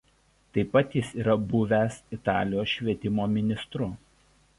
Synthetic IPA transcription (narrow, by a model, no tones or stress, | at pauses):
t̪ɐɪpːɐt̪jɪsiːɾɐbʊʋʲæsɪt̪ɑːlʲɪjoːsʃʲʋʲiɛt̪ʲɪmoːmʲɪnʲɪst̪ɾʊ